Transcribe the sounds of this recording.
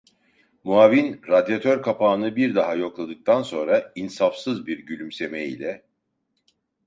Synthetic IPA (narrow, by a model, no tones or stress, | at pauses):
muaːvinɾad̪jat̪ʰøɾkʰapʰaːnɯbiɾd̪aɦajo̞klˠad̪ɯk̚t̪ʰanso̞nɾainsafsɯzbiɾɟylʲymse̞meḭlʲɛ